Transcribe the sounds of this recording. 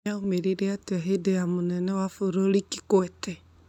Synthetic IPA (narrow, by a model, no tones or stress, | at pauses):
aomeɾiɾeateaɦedejamonɛnɛwafoɾoɾiki̥kwɛtɛ